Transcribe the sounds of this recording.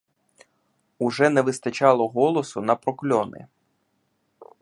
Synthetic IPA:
ʊʒɛnɛʋɪst̪ɐt͡ʃɑlˠɔɦɔlˠɔsʊnɐpɾɔklʲɔnɪ̰

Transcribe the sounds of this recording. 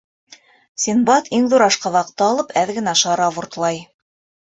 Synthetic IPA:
sʲinbɑt̪iŋðuɾɑʃqɑβɑqt̪ːɤɑlˠɤpʰæðɡɘ̆næʃɑɾɑβuɾt̪lˠɑj

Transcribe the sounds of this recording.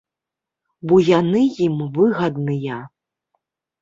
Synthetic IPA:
bɔjanɨjimvɨɣɐd̪nɨjɐ

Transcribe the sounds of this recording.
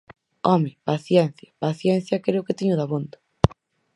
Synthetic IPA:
ɔmɪpaθjɛnθjɐpaθjɛn̟θjɐkɾeʊkɪt̪iɲʊðaβond̪ḁ

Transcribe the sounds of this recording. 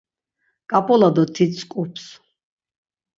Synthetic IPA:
kʼapʼɔlad̪ɔt̪ʰit̪skʼupʰs

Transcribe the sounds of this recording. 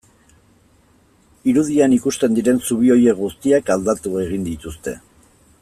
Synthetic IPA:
iɾuðianikust̪e̞nd̪iɾe̞nsuβ̞io̞je̞kɡust̪iakald̪at̪ue̞ɣ̞ind̪it̪ust̪e̞̰

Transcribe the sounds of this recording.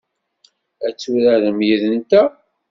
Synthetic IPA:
æt͡sːuɾæðəmjiðənt̪æ

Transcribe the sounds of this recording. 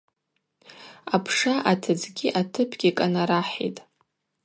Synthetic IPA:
apʰʂaʔatʰɨd͡zɡʲiʔatʰɨpʰɡʲikʼanaɾaħḭjtʼ

